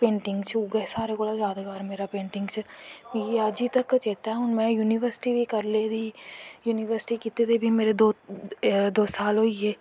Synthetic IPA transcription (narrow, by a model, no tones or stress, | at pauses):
pẽːɳʈɪ̃ŋɡt͡ʃʰuɡɐsaːɾekoːɽazaːd̪ɡaːɾmeːɾapẽːɳʈɪ̃ŋɡt͡ʃʰəjead͡ʒit̪ɐkːət͡ʃeːt̪aɦɛʊnmɛ̃juːniʋəɾsɪ̥ʈibʱikɐɾled̪ʱiːjuːnɪʋəɾsɪ̥ʈikit̪ed̪ebʱimeːɾed̪oː | d̪oːsaːlɦoiɦeː